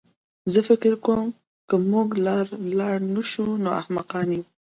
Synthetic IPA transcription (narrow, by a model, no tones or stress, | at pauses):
zəfɪkɪɾkom | kəmuɡlɑɾlɑɽnəʃunoa̰hmaqɑniw